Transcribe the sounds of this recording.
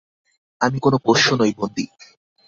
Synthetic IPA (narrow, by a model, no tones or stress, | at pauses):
amikonopoʃonojbond̪i